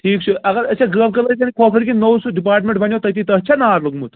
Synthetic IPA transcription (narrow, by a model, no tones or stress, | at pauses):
ʈʰiːkt͡ʃʰuɐɡɐɾɐsʰeɡəːb̚kɐlɐkɐnikʰoːkʰɐɾkinowsuɖipaːɾʈmeɳʈbɐnʲjot̪ɐt̪̬it̪ɐɦt͡ʃʰanaːɾlɐɡmut̪